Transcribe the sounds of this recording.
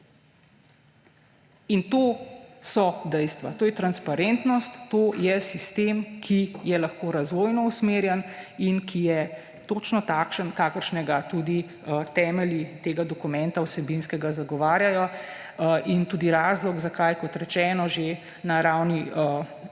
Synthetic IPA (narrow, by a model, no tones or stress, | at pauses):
int̪oːsɔd̪ɛjst̪ʋa̰t̪oːjɛt̪ɾanspaɾɛnt̪nɔst̪ːoːjɛsist̪emkʰijɛlaxkoːɾazʋoːjnɔusmeɾjɛninkʰijɛ | t̪oːt͡ʃnɔt̪aːkʃənkaːkəɾʃnɛɡat̪uːd̪i | t̪ɛːmɛlit̪eːɡad̪ɔkumɛ̃nt̪awsɛbinskɛɡazaɡɔʋaːɾjajɔ | ʔint̪uːd̪iɾaːzlɔɡzakajkɔt̪ɾɛt͡ʃɛːnɔʒe | naɾawni